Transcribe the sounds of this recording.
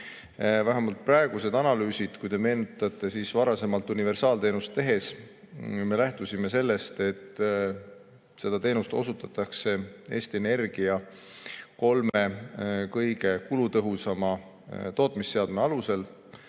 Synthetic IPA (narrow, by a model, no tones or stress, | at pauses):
væɦæmɑlt̪̚prɑeɡ̥use̞d̪ɑnɑlyːsid̪̥kujd̪e̞me̞ːnut̪ːˑɑt̪ːˑe̞siːsvɑɾɑse̞mɑlt̪unive̞rsɑːlt̪e̞ːnust̪ːe̞ɦe̞s | me̞læht̪usʲime̞se̞lːe̞st̪e̞t̪ːˑ | se̞d̪̥ɑt̪e̞ːnust̪o̞̰sut̪ːˑɑt̪ːˑɑkse̞e̞ːst̪iene̞rɡ̥iɑ | ko̞lme̞kɤjɡe̞kulut̪ɤɦusɑmɑ | t̪o̞ːt̪ˑmisːe̞ɑd̪̥meɑluse̞l